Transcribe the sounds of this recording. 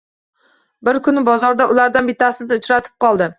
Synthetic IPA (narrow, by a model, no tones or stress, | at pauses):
bɪɾkʰʊnɪbɒzɒɾd̪aʔʊlaɾd̪anbɪt̪ʰːasɪnɪʊt͡ʃɾat̪ʰɪ̥p̚qɒlˠd̪ɪ